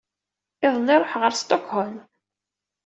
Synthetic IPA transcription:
ɪðˤliɾˤoħʁəɾst̪okhɔl

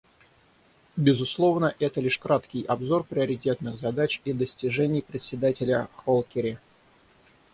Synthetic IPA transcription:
bʲɪzʊslˠo̞vnəʔɛt̪əlʲiʂkɾat̪kʲɪjɐbzo̞rpɾʲɪəɾʲɪtʲe̞t̪nɨxzɐd̪at͡ɕid̪əsʲtʲɪʐɛnʲɪjpɾʲɪt̪sʲɪd̪atʲɪlʲəxolˠkʲɪɾʲɪ

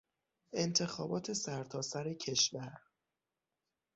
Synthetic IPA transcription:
ʔe̞nt̪ʰe̞xɒ̰ːbɒːt̪ʰe̞sæɾt̪ʰɒːsæɾecʰe̞ʃvæɾ

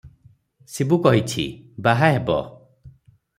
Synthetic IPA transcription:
sebukɔɦit͡ʃʰḭbaɦaɦebɔ̰

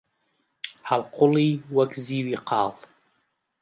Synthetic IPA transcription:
halqʰʊliːwɐkziːwiqʰɑ̰ːlˠ

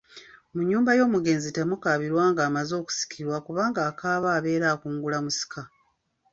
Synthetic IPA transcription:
muɲːuːmbajo̞ːmuɡe̞ːnzitemukaːβiɾwaːŋɡaːmazo̞ːku̥si̥kʰiɾwakuβaːŋɡaːkaːβaːβe̞ːɾaːkuːŋɡulamusi̥ka

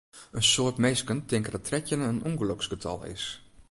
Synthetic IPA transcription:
ənsoətmejskəntɪŋkədɔtʰrɛtjənəənuŋɡəloksɡ̥ətʰɑ̰lˠɪ̰s

